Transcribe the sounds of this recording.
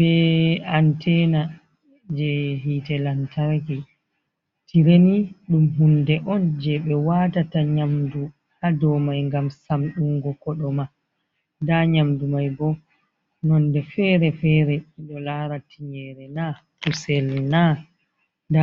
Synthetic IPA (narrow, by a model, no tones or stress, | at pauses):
bɛantɛna | d͡ʒɛɦitɛlantʰaɾki | tiɾeniɗumɦundɛʔɔnd͡ʒɛɓɛwatataɲamdu | hadɔmajŋɡamsamɗuŋɡɔkɔɗɔma | daɲamdumajbɔ | nɔndɛfɛɾɛfɛɾɛiɗɔlaɾatʰiɲɛɾɛna | husɛlna | da